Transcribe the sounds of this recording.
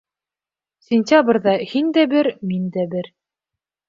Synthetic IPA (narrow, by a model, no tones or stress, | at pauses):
sʲɪnʲtʲabrðɑhind̪æbɘɾmind̪æbɘɾ